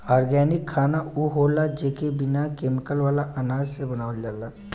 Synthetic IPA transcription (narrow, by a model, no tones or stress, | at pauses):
aːɾɡɛːnɪkʰːaːnauɦoːlad͡ʒeːkebɪnakeːmɪkəlʋaːlaʔɐnaːd͡ʒsebənaːʋəld͡ʒaːlaː